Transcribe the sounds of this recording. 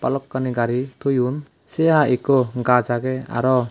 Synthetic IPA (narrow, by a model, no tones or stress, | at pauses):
pa̰lɔkːaniɡaɾit̪ʰujun | seaʔikɔɡazaɡea̰ɾɔ